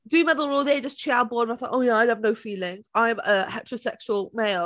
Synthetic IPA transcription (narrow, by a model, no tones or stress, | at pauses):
dʉmɛðəl̩ˠɹɔðeɪd͡ʒʌst͡ʃʰiaʊbɔdə̃aɪθɔtoʊjæaɪəvnoʊfiːlɪ̃ŋz̥aɪə̃məhɛtʰəɹəʊsɛkʃəəlˠmeɪl